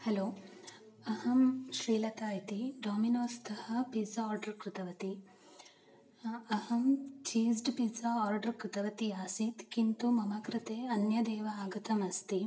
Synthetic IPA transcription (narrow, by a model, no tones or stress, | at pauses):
hɐloː | ɐhɐmʃɾiːlɐt̪aːjit̪iɖaːminoːst̪ʰɐhɐpiːsɐɔːɾɖɐɾkɾɪt̪ɐʋɐt̪i | ɐhɐmt͡ʃiːsɖpiːsɐɔːɾɖɐɾkɾɪt̪ɐʋɐt̪iaːsit̪kint̪umɐmɐkɾɪt̪eːɐnjɐd̪ɛːʋɐaːɡɐt̪ɐmɐst̪i